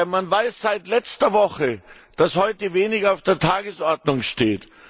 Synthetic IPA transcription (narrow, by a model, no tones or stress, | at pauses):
manvaɪsz̥aɪtlɛt͡stɐvɔχə | d̥ashɔʏtəveːnɪɡaʊfd̥eːɐtʰaːɡəsʔɔɐdnʊŋʃteːt